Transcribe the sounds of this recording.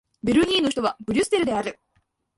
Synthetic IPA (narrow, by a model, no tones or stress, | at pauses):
beɾɯ̟ɲʲiːnoçi̥t̪o̞βabɯ̟ɾʲɯsɨ̥t̪eɾɯ̟d̪e̞aɾɯ̟